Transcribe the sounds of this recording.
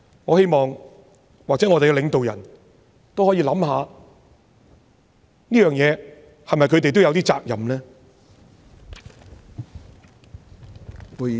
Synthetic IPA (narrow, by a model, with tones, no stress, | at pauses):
ŋɔː˨˧he˥jmɔː˨˩ŋ | waː˨k̚t͡sɛː˨˥ŋɔː˨˧t̪e˨ɡɛ˧lɪ˨˧ŋt̪o˨wjɐ̰˨˩n | t̪o˥whɔː˨˥jiː˧lɐ˨˥mhaː˨˧ | niː˥jœː˨ŋjɛː˨˧ | hɐ˨jmɐ˨jkʰɵ˨˧ɥt̪e˨jt̪o˥wjɐ˧wt̪iː˥t͡sa̰ː˧k̚jɐ˨mlɛː˥